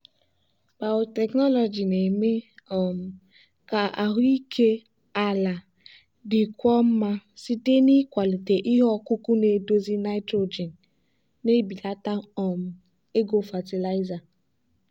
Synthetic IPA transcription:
b̥a˨ʊ˨tɛ˨knɔ˦lɔ˨d͡ʒi˨ne˨me˦ɔ˨m̩˨ | ka˨ʔa˨ɦi˦kʰe˦ | a˨la˨ | dɪ˨kʷɔ˦m̩˦ma˦si˦te˦ni˦kʷa˨li˨te˨ʔi˦ɦɔ˦ku˦ku˦ne˨do˦zi˦na˦ɪ˦tɾo˨d͡ʒi˨n | ne˦bi˨la˦ta˦ɔ˨m̩˨ | e˦ɡo˨fa˨ti˨la˦ɪ˦za˨

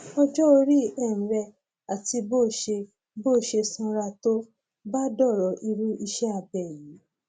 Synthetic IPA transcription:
ɔ˧d͡ʒɔ˦o˧ɾi˦ɛ̃˦˨ɾɛ˧ | a˨ti˧bo˦˨ʃe˧ | boː˦˨ʃe˧sɔ̃˧ɾa˧to˦ | ba˦dɔ˦˨ɾɔ˨˦ʔi˧ɾu˦i˧ʃɛ˦a˦˨bɛ˨jĩ˨˦

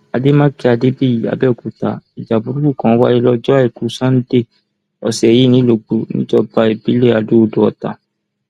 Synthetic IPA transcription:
a˨de˦mã˦ki˦a˨˧de˦bi˦˨ji˨a̰˨bɛ˦˨ku˨ta̰˨i˨d͡ʒa˨bu˨˦ɾu˦u˦˨kã˨˦wa˦i˦lɔ˦d͡ʒɔ˦a˦i˨ku˨˦sã˦n̩˦de˦˨ | ɔ˨sɛ˨ji˦nĩ˨˦lo˧˨ɡ͡bo˨nḭ̃˦d͡ʒɔ˦ba˧˦e˨bi˨˦le˦˨a˨du˦o˧do˧˦ɔ˨ta̰˨

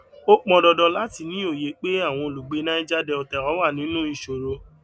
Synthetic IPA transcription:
o˦k͡pɔ̃˨˧dɔ˧dɔ˧la˦ti˧˨nĩ˦o˦˨je˨˦k͡pe˦a˦˨w̃ɔ̃˧o˨lu˨ɡ͡be˨˧˦nã˦i˦d͡ʒa˦dɛ˧ɔ˧tɛ˨ɾɔ˨˦wa˦˨nĩ˨˦nũ˦i˦˨ʃo˨ɾo˧˦

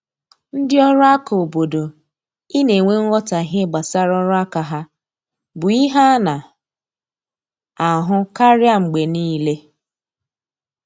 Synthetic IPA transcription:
n̩˦dɪ˦ɔ˦ɾʊ˦a˦ka˨o˨bo˨do˨ | i˦ne˨ŋʷe˦ŋ̩˦ɣɔ˦ta˨ɦe˦ɡ͡ba˨sa˦ɾɔ˦ɾʊ˦a˦ka˨ɦa˦ | bʊ˨i˦ɦa˦na˨ | a˨ɦʊ˦ka˦ɾja˦ŋ͡m̩˨ɡ͡be˨niː˦le˦

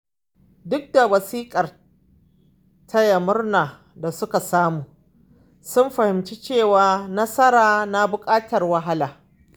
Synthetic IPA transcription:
dʊ˦k̚da˨wɐ˨siː˦kʼɐ˨r | tʰa˦jɐ˨mʊ˦rnaː˨ | da˨sʊ˦ka˨saː˦muː˨ | sʊ˦mɸɐ˨hɪ˨mt͡ʃi˦t͡ʃeː˦˨waː˨nɐ˦sɐ˦ɾaː˨na˦bʊ˨kʼaː˦tɐ˨rwɐ˦ɦa˦laː˨

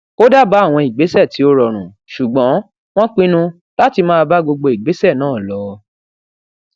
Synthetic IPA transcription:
ko˦da˦˨ba˨˦a˦˨w̃ɔ̃˧i˨ɡ͡be˨˦sɛ˦˨ti˨˦o˧ɾɔ˨ɾ̃ũ˨ | ʃu˨ɡ͡bɔ̃˨˦ | w̃ɔ̃˦k͡pĩ˦nũ˧ | la˦ti˧mã˦a˧ba˦ɡ͡bo˧ɡ͡bo˧i˨ɡ͡be˨˦sɛ˦˨nãː˦˨lɔ˨˧

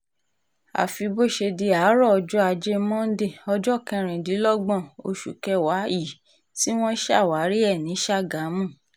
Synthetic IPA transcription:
a̰˨fi˧bo˦˨ʃe˧di˧a˨˦ɾɔ˦˨ɔ˧d͡ʒɔ˦a˧d͡ʒe˦mɔ̃˦n̩˦de˦˨ɔ˧d͡ʒɔ˦˨kɛ̃˧ɾ̃ĩ˨di˨˦lɔ˦ɡ͡bɔ̃˦˨o̰˧ʃṵ˨kɛ˧wa˨˦i˦˨ | ti˦w̃ɔ̃˦ʃa˦˨wa˨˦ɾi˦ɛ˦˨nĩ˨˦ʃa˦˨ɡa˨˦mũ˦˨

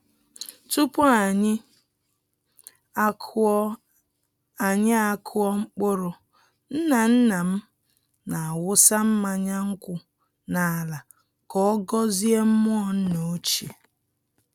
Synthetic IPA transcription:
tu˦pʊ˦a˨ɲɪ˦ | a˨ɲɪ˦a˦kʰʊ˦ɔ˦ŋ͡m̩˦k͡pʊ˦ɾʊ˨ | n̩˦na˨n̩˦na˨m̩˦ | na˨a˨wʊ˦sa˦m̩˦ma˦ɲa˦ŋ̩˦kʷʊ˦ | na˨a˨la˨ | kɔ˦ɔ˦ɡɔ˦zi˦e˦m̩˦mʊ˦ɔ˨n̩˦no˨˦t͡ʃḛ˨

